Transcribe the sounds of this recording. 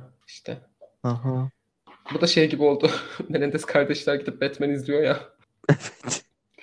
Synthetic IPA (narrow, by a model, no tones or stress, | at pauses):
iʃt̪ʰɛ | aɦa | bud̪aʃejɟibio̞lˠd̪ʊmelʲɛnd̪ɛskʰaɾd̪ɛʃlʲæɾɟid̪ʰip̚bɛt̪mænizlʲijo̞ja | ɛvɛt̪